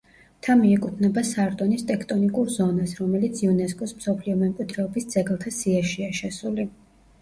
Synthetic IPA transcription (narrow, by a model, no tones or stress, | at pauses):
t̪ʰamiɛkʼut̪ʰnɛbasaɾt̪ʼɔnist̪ʼɛkʰt̪ʼɔnikʼuɾzɔnasɾɔmɛlit̪sʰiɔnɛskʼɔsm̩sɔpʰliɔmɛmkʼwid̪ʰɾɛɔbisd̪z̥ɛɡlˠt̪ʰasiaʃiaʃɛsuli